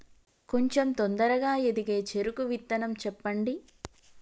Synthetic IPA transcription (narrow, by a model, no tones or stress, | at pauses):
koɲt͡ʃemt̪ond̪ɐɾɐɡaːed̪iɡe̞ːt͡ʃe̞ɾukuʋit̪ːɐnɐmt͡ʃɛpːɐɳɖi